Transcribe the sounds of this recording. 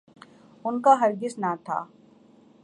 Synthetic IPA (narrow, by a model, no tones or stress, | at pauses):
ʊnkaɦɐɾɡɪsnat̪ʰa̰ː